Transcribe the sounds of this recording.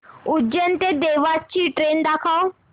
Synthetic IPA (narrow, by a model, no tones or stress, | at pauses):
ʊd͡ʑənɪ̆t̪ed̪eːʋaːt͡ɕʰiʈɾeːnd̪aːkʰao